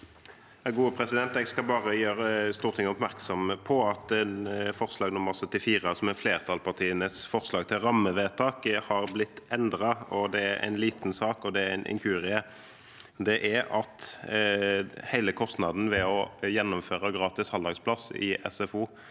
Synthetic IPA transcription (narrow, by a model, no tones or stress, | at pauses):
jɑɡuːəpʰɾɛsɪd̪ɛnt̪ɛɡskɑbɑːɾəjøːɾəst̪uːɾt̪ʰɪŋːəɔpmæɾksɔmpʰɔɑt̪ɛnfɔʁslɑːɡnʊmːəʁsœt̪ːɪfiːʁəsɔmɛfleːɾt̪ʰɑlpʰɑʁt̪ʰiːənəsfɔɾslɑːɡt̪ʰɪlɾɑmːəʋeːt̪ʰɑːkhɑɾblɪt̪ːɛnd̪ɾɑɔd̪ɛæɾæ̰ɪnliːt̪nsɑːkɔd̪ɛæɾɛnʔɪ̰ŋkʰʉːɾɪə | d̪ɛʔæɾɑt̪ | hæɪləkʰɔst̪nɑd̪n̩ʋɛɔjɛnːʊmføːʁəɡɾɑːt̪ɪshɑld̪ɑɡspʰlɑsɪ̰ɛ̰sɛfuː